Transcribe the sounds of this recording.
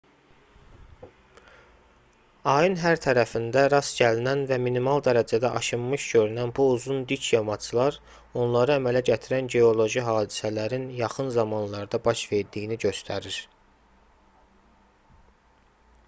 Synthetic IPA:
ɑjɯnɦæɾt̪ʰæɾæfind̪æɾɑsɟælinænvæminimɑlˠd̪æɾæd͡ʒæd̪æʔɑʃɯmːɯʃɟø̞ɾynænbuuzund̪icʰjɑmɑt͡ʃʰɯlˠɑɾ | o̞nlˠɑɾɯæmælæɟæt̪ʰiɾænɟe̞o̞lˠo̞ʒiɦɑːd̪i̥sælæɾinjɑχɯnzɑmɑnlˠɑɾd̪ɑbɑʃve̞ɾd̪ijiniɟø̞st̪ʰæɾiɾ

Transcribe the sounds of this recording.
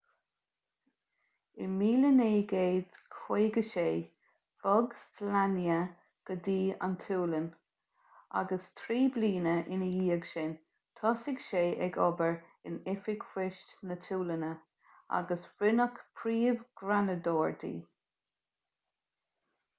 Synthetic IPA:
ɪmiːləneːɡeːd̥kʰweːɡəʃeː | fɔɡslanjə | ɡ̥ədiːa̰ntʰuːlən | a̰ɡəstʰɾiːbliːnəʔɪnəjiːəɡʃɪn | t̪ʰɔsɪɡ̥ʃeːʔɛɡɔ̰bəɹɪnɪfɪɡ̥fɪʃtnətʰuːlənə | a̰ɡəsɹɪnəkpʰɾiːvɡ̥ɾanəd̪ɔːɹd̪ḭː

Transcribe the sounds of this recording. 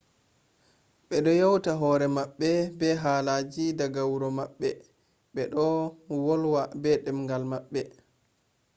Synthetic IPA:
ɓɛɗɔjawtaɦɔːɾɛmaɓːɛbɛɦaːlaːd͡ʒidaɡawɾɔmaɓːɛ | ɓɛɗɔwɔlwabɛɗɛmŋɡalmaɓːɛ

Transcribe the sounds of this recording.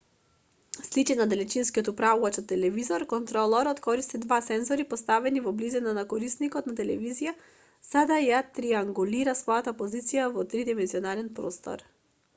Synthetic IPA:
slit͡ʃɛnad̪ɛlɛt͡ʃinskiɔt̪upɾavuvat͡ʃ̪ɔt̪ːɛlɛvizɔɾkɔnt̪ɾɔlˠɔɾɔt̪kɔɾist̪id̪vasɛnzɔɾipɔst̪avɛnivɔblizɛnanakɔɾisnikɔt̪nat̪ɛlɛvizija | z̥ad̪ajat̪ɾiaŋɡuliɾasvɔjat̪apɔzit̪sijavɔt̪ɾid̪imɛnziɔnaɾɛnpɾɔ̰st̪ɔ̰ɾ

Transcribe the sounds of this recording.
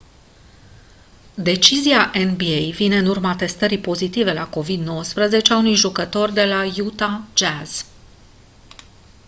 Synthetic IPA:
d̪e̞t͡ʃiziaʔenbiejvine̞ɨnurmat̪e̞st̪əɾipo̞zit̪ive̞lako̞vid̪no̞wəspɾəze̞t͡ʃeaunujʒukət̪o̞rd̪e̞lajut̪ad͡ʒaz̥

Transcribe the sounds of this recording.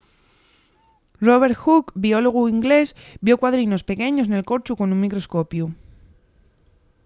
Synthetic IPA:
ro̞β̞e̞ɾxukbio̞lo̞ɣ̞uiŋɡle̞sbjo̞kwaðɾino̞spe̞ke̞ɲos̬ne̞lko̞ɾt͡ʃuko̞nũnmikɾo̞sko̞pju

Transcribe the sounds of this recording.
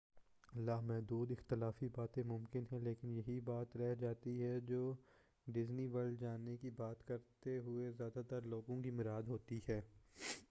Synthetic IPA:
ɐlːaːɦmɛɦd̪uːd̪ɪxt̪ɪlaːfibaːt̪ẽmʊmkɪnɦɛ̃leːkɪnjɐɦibaːt̪ɾɛɦd͡ʒaːt̪iɦɛd͡ʒoː | ɖɪzniʋɐlɖd͡ʒaːnekibaːt̪kɐɾt̪eɦʊezjaːd̪at̪əɾloːɡõkimʊɾaːd̪ɦoːt̪iɦɛː

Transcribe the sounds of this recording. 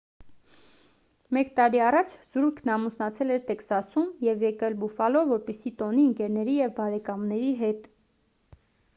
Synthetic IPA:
mɛkt̪ɑɾiɑrɑt͡ʃʰz̥uɾkʰnɑmusnɑt͡sʰɛlɛɾt̪ɛksɑsumjɛvjɛkɛlbufɑlɔvːɔɾpɛsit̪ɔniəŋkɛɾnɛɾijɛvbɑɾɛkɑmnɛɾiɦɛt̪

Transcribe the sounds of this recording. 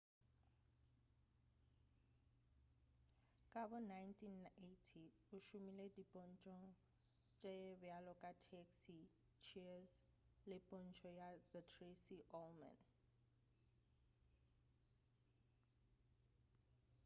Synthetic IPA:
kʼabɔnajntʰʼinetʰi | uʃumiledipʼɔnt͡ʃʼɔŋ | t͡ʃʼɛbjalɔkʼatʰeksi | t͡ʃʰis | lɛpʼɔnt͡ʃʰʼɔjaðətʰrisiʔɔlma̰n

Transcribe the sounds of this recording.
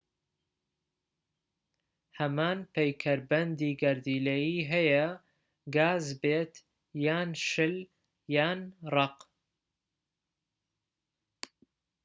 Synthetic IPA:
hɐmaːnpʰejkʰɐɾbɐnd̪iːɡɐɾd̪iːlɐjiːɦɐjɐ | ɡaːzbeːt̪ | jaːnʃɨl | jaːnrɑq

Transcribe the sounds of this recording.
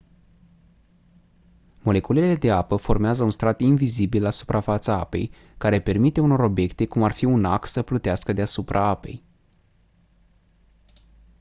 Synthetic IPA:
mo̞le̞kulelele̞d̪e̞apəfo̞rmeazəunst̪ɾat̪invizibilasu̥pɾʔafat̪səa̰pe̞̰j | kaɾe̞pe̞rmit̪e̞uno̞ɾo̞bje̞kt̪e̞kumarfiuna̰ksəplut̪easkəd̪easupɾʔaape̞̰j

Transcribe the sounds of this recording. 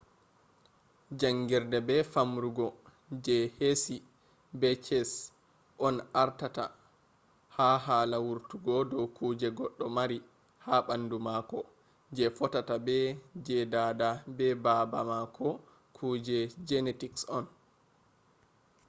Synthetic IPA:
d͡ʒaŋɡiɾdɛbɛfamɾuɡɔ | d͡ʒɛhesi | bɛt͡ʃɛs | ʔɔnʔaɾtata̰ | haɦaːlawuɾtuɡɔdɔwkʰuːd͡ʒɛɡɔɗːɔmaɾi | haɓandumakɔ | d͡ʒɛfɔtatabɛd͡ʒɛdadabɛbabamakʰɔ | kʰuːd͡ʒɛd͡ʒɛnetiksɔn

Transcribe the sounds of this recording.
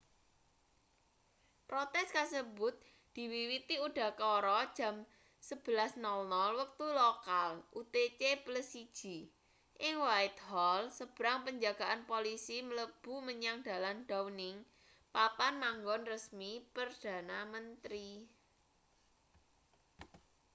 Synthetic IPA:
pɾot̪ɛskasəbʊt̪̚ | d̪̥i̤wiwit̪iuɖ̥a̤kɔɾɔd̥ʒ̥ä̤m | səb̥əlasnɔlnɔlwək̚t̪ulokalʔut̪et͡ʃepləsid̥ʒ̥i | ʔɪŋwaɪt̪̚hɔlsəb̥ə̤ɾaŋpəɲd͡ʒaɡ̥a̤ʔanpolisimələb̥ṳməɲaŋd̥a̤lanɖ̥awnɪŋ | papanmaŋɡɔnrəsmipərd̥ä̤namənt̪ɾi

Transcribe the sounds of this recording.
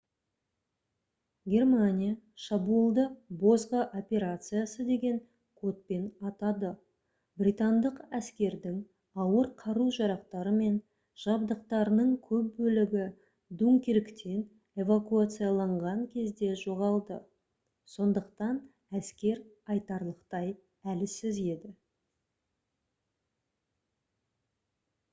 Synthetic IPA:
ɡʲe̞rmanʲijaʃabuəlˠd̪əbo̞zʁəʔo̞pʲe̞ɾat̪sɨjasəd̪e̞ɡʲe̞ŋ | kʰo̞t̪̚pe̞nɑt̪ɑd̪ə | brʲijt̪and̪əqæskʲe̞ɾd̪ɪŋ | ɑwəɾqʰɑɾuʒɑɾɑq̚t̪ɑɾəme̞n | ʒ̥ɑbd̪əqt̪ɑɾənəɴkʲʰɵp̚bɵlɪɡʲɪ | d̪uŋkʲeɾɪkt̪ʰe̞n | e̞vakuat̪sɨjalˠɑɴʁɑŋkʲʰe̞zd̪e̞ʒo̞ʁɑlˠd̪ə | so̞nd̪əqt̪ɑn | æskʲe̞ɾ | ɑjt̪ɑɾlˠəqt̪ɑj | ælɪsɪze̞d̪ɪ

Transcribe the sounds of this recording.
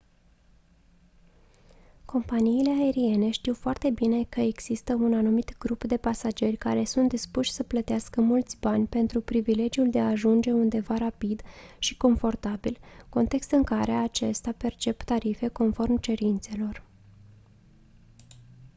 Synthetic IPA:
kʰo̞mpaniːle̞ae̞ɾie̞ne̞ʃt̪iwfoart̪e̞bine̞kəeɡz̥ist̪əunanumit̪ɡɾupd̪e̞pasad͡ʒe̞rʲkaɾe̞sunt̪̚d̪ispuʃʲsəplət̪easkəmult̪sʲbanʲpe̞nt̪ɾupɾivile̞d͡ʒiuld̪eaːʒund͡ʒe̞und̪e̞vaɾapid̪ʃiko̞ɱfo̞rt̪abilko̞nt̪e̞kst̪ɨŋkaɾe̞at͡ʃe̞st̪ape̞rt͡ʃe̞pt̪aɾife̞ko̞nfo̞rmt͡ʃe̞ɾint̪se̞lo̞r

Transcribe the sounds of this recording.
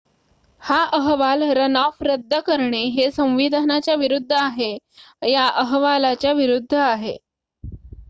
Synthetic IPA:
haʔəɦʋalɾənafɾəd̪ʱːəkəɾɳeɦesə̃w̃ʋid̪ʱanat͡ɕjaʋiɾud̪ʱːəaɦe | jaʔəɦʋalat͡ɕjaʋiɾud̪ʱːəaɦḛ

